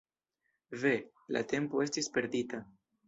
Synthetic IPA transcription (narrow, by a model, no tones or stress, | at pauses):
ve̞ | la̰t̪e̞mpoe̞st̪ispeɾd̪it̪a